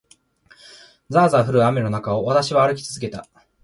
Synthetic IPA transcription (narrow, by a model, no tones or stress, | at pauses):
d͡zaːzaɸɯ̟ɾɯ̟ame̞no̞nakao̞βat̪aɕiβaːɾɯ̟kʲi̥t͡sɨzɨke̞t̪a